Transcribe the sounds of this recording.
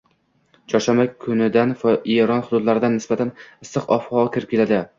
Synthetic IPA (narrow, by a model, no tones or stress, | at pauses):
t͡ʃʰɒʃamakʰʊnɪd̪anfeɾɒnhʊd̪ʊd̪laɾɪd̪anːɪsbat̪ʰanɪsːɨqɒfhɒkʲʰɪɾkʲʰɪlad̪ɪ